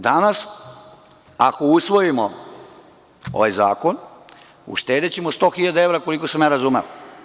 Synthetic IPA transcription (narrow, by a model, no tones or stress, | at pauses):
d̪anas | ako̞usʋo̞jimo | o̰ʋajzaːko̞n | ṵʃt̪e̞ːd̪et͡ɕemost̪o̞ːxiʎad̪ae̞ʋɾako̞likosemjaɾazumeʋo